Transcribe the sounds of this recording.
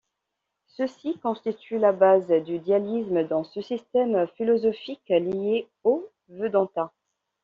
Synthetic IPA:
səsikɔ̃st̪it̪ylabazd̪yd̪jalismd̪ɑ̃səsist̪ɛmfilɔzɔfiklie | o | vød̪ɑ̃t̪a

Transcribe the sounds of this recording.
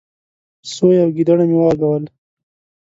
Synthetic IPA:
sojawɡid̪aɽamiwɑɡawəl

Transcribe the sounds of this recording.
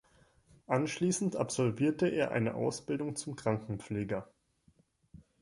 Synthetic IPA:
ʔanʃliːsn̩tʔa̰pz̥ɔlviːɐtəʔeːɐʔa̰ɪnə̰ʔa̰ʊsb̥ɪldʊŋt͡sʊmkʁ̥aŋkŋ̩p͡fleːɡɐ

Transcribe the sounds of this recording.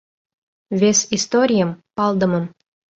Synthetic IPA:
vesist̪oɾʲijəmpɑld̪ə̆mə̆m

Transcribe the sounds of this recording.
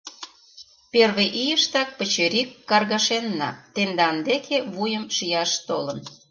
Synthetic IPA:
perβeʔijəʃt̪ɑk̚pə̆t͡ɕeɾikːɑrɣɑʃenːɑ̰t̪end̪ɑnd̪ekʰeβujəmʃijɑʃt̪olə̆n

